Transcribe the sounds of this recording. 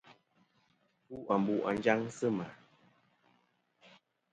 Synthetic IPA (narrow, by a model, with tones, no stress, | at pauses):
pu˦ʔa˨m˨bu˦˨ʔa˨n˦d͡ʒa˦ŋsə˦ma˨